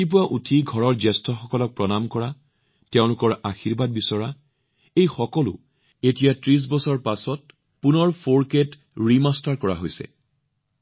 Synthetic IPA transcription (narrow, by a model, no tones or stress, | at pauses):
ip̬uwaʔutʰiɡʱɔɹɔɹzɛstɔxɔkɔlɔk̚pɹɔnamkɔɹa | teʊ̃lʊkɔɹaxiɹbad̚bisɔɹa | ejxɔkɔlʊ̰ | etijatɹis̬bɔsɔɹpasɔt̚ | punɔɹfʰoɹket | ɹimastaɹkɔɹa̰ɦojsɛ̰